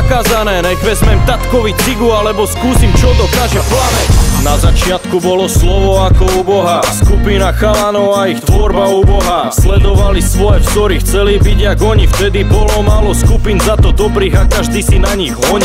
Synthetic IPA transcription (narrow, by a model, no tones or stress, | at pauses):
kaːzanɛːnɛɡʋɛzmɛmt̪at̪kɔʋit͡siɡualɛbɔskuːsimt͡ʃɔd̪ɔkaːʒɛplanɛnazat͡ʃɪat̪kubɔlɔslɔʋɔakɔuːbɔɦaskupinaxalanɔʊaixt̪ʋɔɾbauːbɔɦa | slɛd̪ɔʋalisʋɔjɛfsɔɾixt͡sɛliːbiɟaɡɔɲift̪ɛd̪ibɔlɔmaːlɔskupinzat̪ɔd̪ɔbɾiːɣakaʒd̪iːsinaɲiɣɦɔɲi